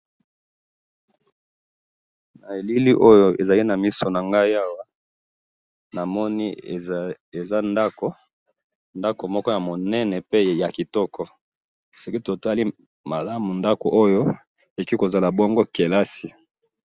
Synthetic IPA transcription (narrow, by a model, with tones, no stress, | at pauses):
na˨e˨li˦li˦ʔo˦jo˦ʔḛ˨za˨li˦na˨mi˦so˨na˨ŋɡa˦i˦a˦wa˦ | na˨mɔ˦ni˦˨ | e˨za˦nda˦ko˦ | nda˦ko˨mɔ˦kɔ˦ja˨mo˨nɛ˦nɛ˨pe˦ja˨ki˨tɔ˦kʰɔ˦ | se˨ki˦to˨ta˦li˦ | ma˨la˦mu˨nda˦ko˨ʔo˦jo˦ | e˨ki˦ko˨za˨la˨bɔ˦ŋɡo˦ke˨la˦si˨